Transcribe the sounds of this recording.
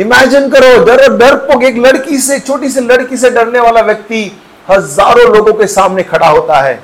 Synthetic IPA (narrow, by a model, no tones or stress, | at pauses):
ɪmɛːd͡ʒɪnkɐɾoːɖɐɾɖɐɾpokɡeːklɐɽkiset͡ʃʰoːʈis̬elɐɽkis̬eɖɐɾneʋaːlaʋjɐk̚t̪i | hɐzaːɾõloːɡõkesaːmnekʰɐɽaɦoːt̪aɦɛ̰ː